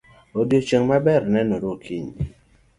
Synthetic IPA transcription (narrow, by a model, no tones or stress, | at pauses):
odjot͡ʃəŋmabɛɾnɛnoɾokʰiɲ